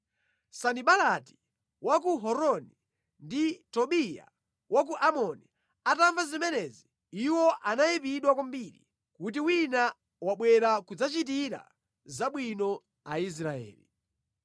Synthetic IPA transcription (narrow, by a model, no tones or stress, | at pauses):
saniɓalati̥ | wak̬uɦɔɾɔni | nditɔɓija̰ | wak̬uʔamɔni | ataɱvazimɛnɛzi | iwɔʔanaipiɗwakambiɾḭ | kut̬iwina | waɓwɛɾakud͡zat͡ʃit̬iɾa̰ | zaɓwinɔ | ais̬ɾaɛ̰ːlḭ